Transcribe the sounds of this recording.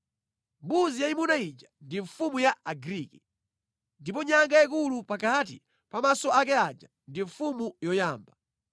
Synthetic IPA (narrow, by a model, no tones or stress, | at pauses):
mbuzijaimunaid͡ʒḁndiɱfumujaaɡɾiːki | ndip̬ɔɲaŋɡaik̬ulupakat̬ḭ | pamasɔak̬ɛad͡ʒa | ndiɱfumujɔjaːmba